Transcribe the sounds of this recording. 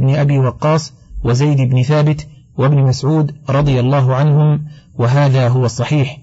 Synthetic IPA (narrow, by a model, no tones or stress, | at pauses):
bnɪʔabiːwɑqːɑːsˤ | wazajd̪ɪbnɪθaːbɪt̪ | wabnɪmasʕuːd̪ɾˤɑd̪ˤɨjalˤːaːɦʊʕanhʊmwaɦaːðaːɦʊwɑsˤːɑħiːħ